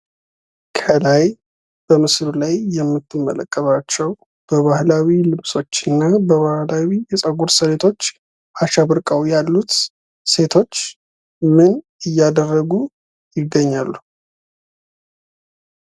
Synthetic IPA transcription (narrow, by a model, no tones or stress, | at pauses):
kʰəlaj | b̥əmɨslulajːɛmːɨt̪ʰːɨmːə̰lə̰kʼːəβat͡ʃːɛw | b̥əβahlawilɨβsʼo̞t͡ʃːɨnːabəβahlawijɛsʼəɡuɾsəlet̪ʰo̞t͡ʃː | ʔaʃaβɨɾkʼəwjalːut̪ | se̞t̪ʰo̞t͡ʃː | mɨn | ɨjːad̪ərːəɡu | jɪɡːəɲːalːu